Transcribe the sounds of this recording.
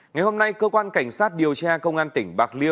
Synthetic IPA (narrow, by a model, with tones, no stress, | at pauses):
ŋa˨˩jho˧mna˧jkəː˧kwaː˧nka˧˩jŋ̟saː˦˥t̚ɗi˨˩əwt͡ɕaː˧kə˧wŋ͡mʔaː˧nt̪ï˧˩ŋ̟ɓaː˨˩k̚li˧əw